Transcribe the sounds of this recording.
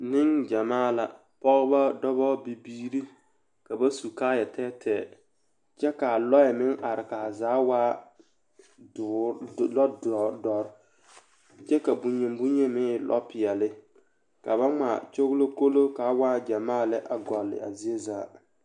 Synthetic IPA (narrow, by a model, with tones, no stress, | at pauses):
nɪ˦ŋd͡ʒa˨maː˦˨la̰˨ | pɔ˦ɣɪ˦ba˦dɔ˦βɔ˦bi˨biː˦ɾi˦ | ka˨ba˦su˨kaː˦jɛ˨tʰɛː˦tʰɛ˨ | t͡ʃɛ˦ka˨lɔ˦jɛ˨mɪ˦ŋʔa˨ɾɪ˨ka˨zaː˨˦waː˦˨ | lɔ˦ddɔ˨ɾ | t͡ʃɛ˦ka˨bu˨ɲe˨m˦bu˦ɲe˦mɪː˦lʔɔ̰˦pɪ˨jɛ˨lɪ˦ | ka˨ba˦ŋ͡ma̰˨t͡ʃo˦ɣlo˦ko˦lo˦ka˨˦waː˦d͡ʒa˨maː˦˨lɪ˦ʔa˨ɡɔ˨lːɪ̰˨a̰˨zi˦e˦zaː˨˦